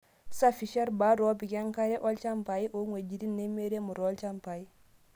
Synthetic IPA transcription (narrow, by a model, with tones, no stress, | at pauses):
sa˦fiʃe˦ɾba˦ɾo˦pi˨ke˦ŋka˦ɾe˦ʔo˦lt͡ʃa˦mpa˨jiʔoŋwe˨d͡ʒi˨ɾi˦nːe˦me˦ɾe˦mu˨ɾolt͡ʃa˦mpai